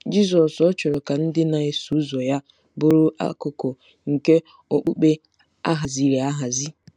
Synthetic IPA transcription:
d͡ʒi˦zɔ˨sɔ˦t͡ʃʊ˨ɾʊ˨ka˨n̩˦dɪ˦na˨e˨su˨˦zo˨ja˦ | bʊ˦ɾu˦ʔa̰˦kʊ˨ko˨ | ŋ̩˨ke˦ | o˨k͡pu˦k͡pe˦ | a̰˦ɦa˨zi˨ɾe˨a˦ɦa˨zi˦

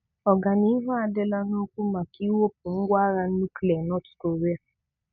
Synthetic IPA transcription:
ɔ˨ɡa˨nĩ˨˦ɦa˦a˧dɛ˦˧la˧no˦ku˦mã˨ki˦wo˦p̚ũ˨ŋ̩˦ɡʷa˦ɾa˧n̩˦nu˦klɛ˨nɔ˦tu̥˨ko˨ɾe˦a˨

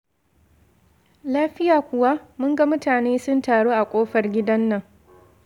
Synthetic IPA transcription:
laː˦ɸɪ˦jaː˨kʷʊ˨wa˦mʊ˦ŋɡa˦mʊ˦taː˨neː˦sʊ˦ntaː˨ɽoː˦ʔa˨kʷʼoː˦ɸɐ˨rɡʲɪ˦dɐ˦nːɐ˨ŋ

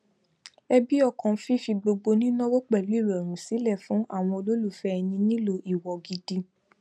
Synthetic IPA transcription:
ɛ˧bi˦ɔ˧˨kã˨˦fi˦fi˧ɡ͡bo˧ɡ͡bo˧nĩ˦nɔ̃˦wo˦k͡pɛ˦˨lu˨˦i˦˨ɾɛ˨ɾ̃ũ˨si˨˦lɛ˦˨fũ˨˦ʔa˦˨w̃ɔ̃˧o˧lo˦lu˦˨fɛ˦ɛ˧nĩ˧nĩ˦lo˧ʔi˨wɔ˨ɡi˧di˧

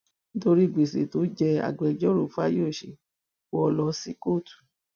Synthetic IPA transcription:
ni˦to˧ɾi˦˨ɡ͡be˨sḛ˨˦to˨˦d͡ʒɛ˧a̰˨ɡ͡bɛ˨˧d͡ʒɔ˦ɾo˦˨fa˦jo˦˨ʃḛ˨ | o˦ɔ˧lɔ˧˦si˧˦ko˦˨tu̥˨

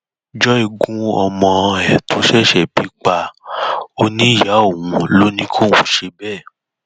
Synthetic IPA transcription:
d͡ʒɔ˦i˧ɡũ˧ɔ˧mɔ̃˧ɛ˨tʰo˨˦ʃɛ˦˨ʃɛ˦˨bi˨˦k͡pa˧ | o˧nĩ˦˨ja˨˦o˦˨wũ˨˧lo˦nĩ˧˦kʰo˦˨wũ˨˦ʃe˧bɛː˦˨

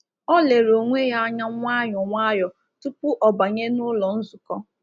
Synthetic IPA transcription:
ɔ˦le˨ɾo˨ŋʷe˦ja˦ɲa˦ŋʷ˦a˦jɔ˨ŋʷa˦jɔ˨ | tu˦pʊ˦ʔɔ˨ba˨ɲe˦nʊ˦lɔ˨n̩˦zʊ˨kɔ˦

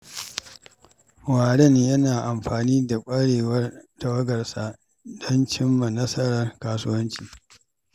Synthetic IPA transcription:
waː˨ɽɛ˦˨njɐ˦naː˨ʔa˨mɸaː˨niː˦da˨kʷʼɐ˦ɽeː˨wɐ˦rda˨wɐ˦ɡɐ˨rsa˨ | dɔ˦nt͡ʃɪ˦mːa˨nɐ˦sɐ˦ɽɐ˨rkaː˦sʊ˦wɐ˦nt͡ʃiː˨

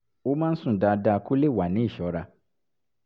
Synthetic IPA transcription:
wo˦mã˦n̩˦sʊ̃˦˨da˨da˨kʰo˦le˦˨wa˨nɪ̃˦˨ɕɔ˨˦ɾa˦

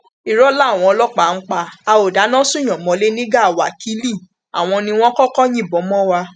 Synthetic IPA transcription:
i˨ɾɔ˨˦la˦˨w̃ɔ̃˧ɔ˧lɔ˦k͡pa˨ŋ̩˦k͡pa˧a˧o˨da˨˦nã˦sũ˦˨j̃ɔ̃˨mɔ̃˨˦le˦nĩ˦ɡa˦˨wa̰˨ki˦li˦˨ | a̰˨w̃ɔ̃˧nĩ˧w̃ɔ̃˦kɔ˦kɔ˦j̃ĩ˦˨bɔ˨˦mɔ̃˦wa˧

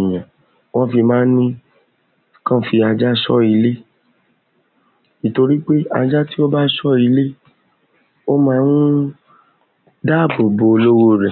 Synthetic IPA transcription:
j̃ã˨ | w̃ɔ̃˦fi˧mãː˦nĩ˦ | kã˦fi˧a˧d͡ʒa˦ʃɔ˦i˧le˦ | i˨to˧ɾi˦k͡pe˦a˧d͡ʒa˦ti˦o˦ba˦ʃɔ˦i˧le˦ | o˦mãː˦nũ˦ | da˦˨bo˨bo˧o˧lo˦wo˦ɾɛ˨

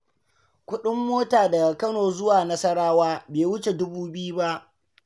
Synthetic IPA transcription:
kʷʊ˦ɗɪ˦mːoː˦taː˨da˨a˨kɐ˦noː˨zʊ˦waː˨nɐ˦sɐ˦ɽaː˦waː˦beː˨wʊ˦t͡ʃe˨dʊ˦buː˦bɪ˦ju˦ba˦ʔ

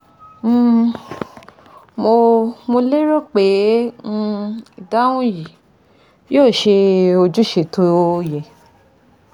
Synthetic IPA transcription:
mo˧mo˧le˦ɾɔ˦k͡pẽ˨˦˧ | i˨da˦wũ˦ji˨ | joː˦˨ʃe˧o˧d͡ʒu˦ʃe˨tʰo˧˦˧jɛ˨

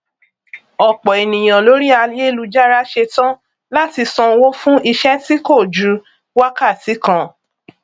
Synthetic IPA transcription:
ɔ˨k͡pɔ˨e˨nĩ˨j̃ã˨lo˨˦ɾi˦a˧je˦lu˧d͡ʒa˦ɾa˦ʃe˧tã˦ | la˦ti˧sɔ̃˧wo˦fũ˦i˧ʃɛ˦ti˦ko˦˨d͡ʒu˨˧˦ | wa˦ka˦˨ti˨˦kã˧˦

